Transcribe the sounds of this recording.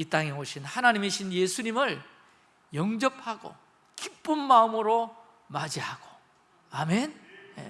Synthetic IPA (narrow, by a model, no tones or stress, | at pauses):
it͈aŋe̞oɕʰinhanaɲimeɕʰinjesʰuɲimɯɭ | jʌŋd͡ʑʌp̚haɡo̰ | kip͈ɯnmaɯmɯɾo | mad͡ʑiɦaɡ̥o | amenjḛ